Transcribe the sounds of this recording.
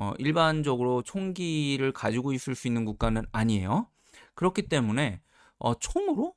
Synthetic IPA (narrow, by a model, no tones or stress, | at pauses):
ʌ̰ʔiɭband͡ʑʌɡɯɾot͡ɕʰoŋɡiɾɯɭkad͡ʑiɡois͈ɯɭs͈uinːɯnkuk̚k͈anɯnaɲie̞̰jo | kɯɾʌkʰit͈e̞mune̞ | ʌ̰t͡ɕʰomɯɾo